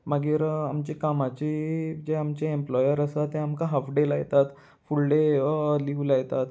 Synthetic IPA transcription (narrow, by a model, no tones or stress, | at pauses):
maɡiːɾamt͡ɕekamat͡ɕiːd͡ʑeamt͡ɕeemplɔjəɾəsat̪ːeamkaɦəfɖelaɡt̪at̪ | fulɖeliulaɡt̪at̪